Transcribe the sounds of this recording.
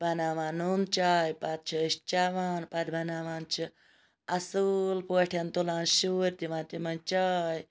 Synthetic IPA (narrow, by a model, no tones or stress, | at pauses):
bʱɐnaːʋaːnumt͡ʃaːjpat̪̚t͡ʃʰiʃt͡ʃaːʋaːnpat̪bʱɐnaːʋaːnt͡ʃʰi | ɐsuːlpoːʈʰjɐnt̪ulãːnʃuːɾʲt̪iʋãnt̪imɐnt͡ʃaːj